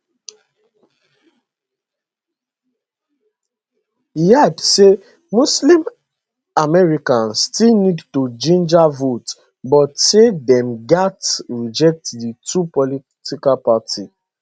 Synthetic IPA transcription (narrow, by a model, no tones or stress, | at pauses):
ijadse | muslĩm | amɛɹikãnstilnidtud͡ʒĩnd͡ʒavot | bɔtsedɛ̃mɡatɹid͡ʒɛk̚tditupɔli | tikalpati